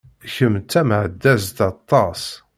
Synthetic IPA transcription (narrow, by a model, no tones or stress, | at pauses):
çəmt͡sːæmʕəd̪ːæs̬t̪ɑt̪ˤːɑs